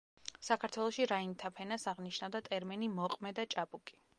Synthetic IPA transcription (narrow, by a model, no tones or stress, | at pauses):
sakʰaɾt̪ʰwɛlˠɔʃiɾaint̪ʰapʰɛnasaʁniʃnavd̪at̪ʼɛɾmɛnimɔqʼmɛd̪at͡ʃʼapʼukʼi̥